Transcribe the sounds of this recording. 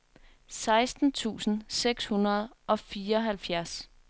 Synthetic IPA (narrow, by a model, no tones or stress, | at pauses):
sɑ̈ɪsd̥n̩t͡sʰṵːsn̩seɡ̥shunɐð̞ˠʔɒ̽fiːɐɒ̽ɦælfjæɐs